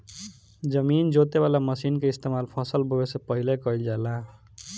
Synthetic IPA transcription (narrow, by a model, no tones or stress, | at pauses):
d͡ʒəmind͡ʒot̪eβalaməsinkeist̪emalpʰəsəlbʱowesepəɦilekʌild͡ʒala